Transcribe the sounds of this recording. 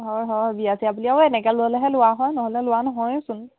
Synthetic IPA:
ɦɔɹɦɔbiasiapuliaʊɛnɛkɛlʊɔlɛɦɛlʊaɦɔjnɔɦɔlɛlʊwanɔɦɔjsʊn

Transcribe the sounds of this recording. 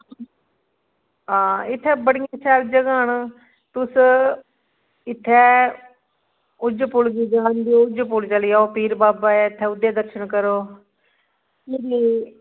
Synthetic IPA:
ɦãːɪt̪ʰːɛːbəɽɪjãːsɛːld͡ʒəɡaːn | t̪ʊs | ɪt̪ʰːɛː | ʊd͡ʒpʊlɡiːd͡ʒaːnd̪ijoːʊd͡ʒpʊlt͡ʃəliːaːoːpiːɾbaːbaːɛːɪt̪ʰːɛːʊd̪eːd̪əɾʃəɳkəɾoː | kiːɾiː

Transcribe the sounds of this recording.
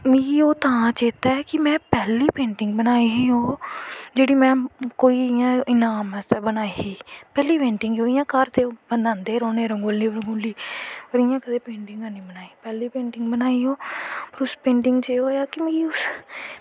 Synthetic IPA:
mĩːoːt̪ãːt͡ʃeːt̪aɛkɪmɛ̃ːpɛːliːpẽːɳʈɪŋɡbənaːiɦiɦoːd͡ʒeːɽiːmɛ̃ːkoːiːɪjãːɪnaːmɛst̪ebənaːiiːpɛːliːpẽːɳʈɪŋɡoːɪjãːkəɾt̪eːbənd̪ãːnd̪eːɾoːneːɾəŋɡʊlniːɾəŋɡʊlːiːpəɾɪjãːkəd̪eːpẽːɳʈɪ̃ŋɡãːnĩːbənaːiːpɛːliːpẽːɳʈɪŋɡbənaːiːɦoːpəɾʊspẽːɳʈɪŋɡt͡ʃeoːjaːkɪmĩːʊs

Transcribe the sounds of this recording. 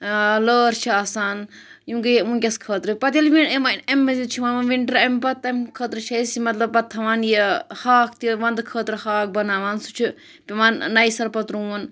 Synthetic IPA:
ləːɾt͡ʃʰaːsaːn | jũːŋkɨjmũkʲɐskʰəːt̪ɾɨpɐt̪ilʋimanɐmʲbɐzit͡ʃʰiʋaːnmɐnʋiɳʈɾɐmpɐt̪ːɐmkʰəːt̪ɾɨt͡ʃʰɐisimɐt̪lɐbpɐt̪ʰːɐʋaːnjehaːk̚ʰt̪iʋɐnd̪kʰəːt̪ɾɨhaːk̚bɐnaːʋaːnsu̥t͡ʃʰu | pʲiʋaːnːɐisɐlpɐt̪ɾuːɐn

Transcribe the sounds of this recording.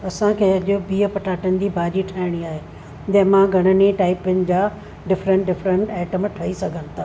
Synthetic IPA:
ɐsãkʰeːɐʄʊbiːɦəpɐʈaːʈənɪ̆d̪ibʱaːɾiʈʰɐɪɽ̃iaːɦeː | d͡ʑɐ̃ɦmãɡʱɐɽ̤̃əneʈaːɪpɪnɪ̆d͡ʑaː | ɖɪfɾə̃ɳʈɖɪfɾə̃ɳʈɛːʈəmʈʰɐɦisɐɡʱənɪ̆t̪ʰaː

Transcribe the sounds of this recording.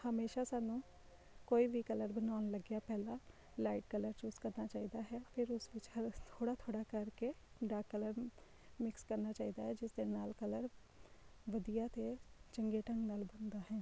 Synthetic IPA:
həmeːʃasaːnũː | koːiːʋikələɾbənaːʊnləɡjaːpɛːlaː | laːɪʈkələɾt͡ʃuːzkəɾnaːt͡ʃaːiːd̪aːɦɛːpʰɪɾʊsʋɪt͡ʃhət̪ʰoːɽaːt̪ʰoːɽaːkəɾke | ɖaːkːələɾ | mɪkskəɾnaːt͡ʃaːiːd̪aːɦɛːd͡ʒɪsd̪eːnaːlkələɾ | ʋəd̪ijaːt̪et͡ʃəŋɡeʈə̃ŋɡnaːlbənd̪aːɦɛ̃ː

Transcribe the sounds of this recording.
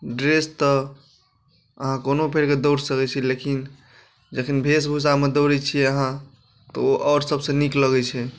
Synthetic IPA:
ɖɾest̪ɔ | əɦãkonopʰeɾked̪owɾsəkɛt͡ʃʰɛlekin | d͡ʒəkʰinbʱesbʱusamed̪əɾɛt͡ʃʰijɛəɦã | t̪ɔ̰oʔɔɾsəbsẽnikləɡɛt͡ʃʰɛ

